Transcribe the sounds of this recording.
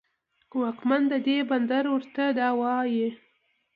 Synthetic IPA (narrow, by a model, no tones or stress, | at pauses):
wɑkmand̪əd̪eband̪aɾwəɾt̪ad̪ɑwɑji